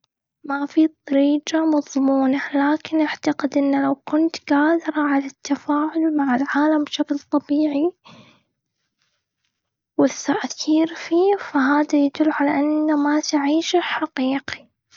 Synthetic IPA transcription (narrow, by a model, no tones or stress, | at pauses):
mafit̪ˤːɑɾiːd͡ʒamɑðˤmuːnalaːkɪnʔaʕt̪aqɪd̪ʔɪnːlawkʊnt̪ɡaːd̪ɪɾˤɑʕalat̪ʰːafaːʕʊlmaʕɪlʕaːlambʃaklt̪ˤɑbiːʕi | wɪθːaʔkiːɾfiːfaɦaːd̪ajad̪ʊlːʕalaʔanːamat̪ʕiːʃɪħaqiːqi̥